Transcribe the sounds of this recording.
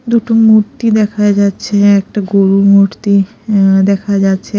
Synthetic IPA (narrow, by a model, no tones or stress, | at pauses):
d̪uʈomuɾt̪id̪ɛkʰad͡ʑatːɕʰeɛk̚ʈaɡoɾumoɾt̪i | d̪ɛkʰad͡ʑatːɕʰe